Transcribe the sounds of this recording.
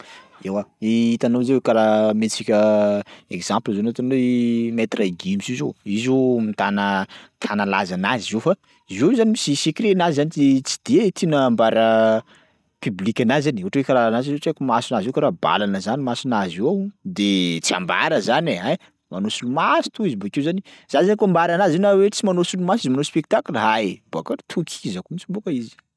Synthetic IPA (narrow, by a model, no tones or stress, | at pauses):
ewaiit̪anozewekaɾamet͡sikʲə | ekz̥ãmplazonat̪inwemet̪raiɡimisizoizomit̪anət̪ʰanalazanazizofa | izozanimisisekiɾenazizanit͡sit͡si̥d̪̥et̪ʰinəmbaɾə | pyblikʲanazaniuɦʈ͡ʂwekaɾanaziot͡ʃakumasinazewkaɾaba̰lanəzanimasinaziwawd̪et͡sia̰mba̰ɾəzaneɦa | manosulumasi̥t̪uizibakewzaniz̥azakambaɾanazinawet͡simanosulumasizimanospek̚t̪aklɦab̥akat̪ʰukʰizakumit͡sibukəizi̥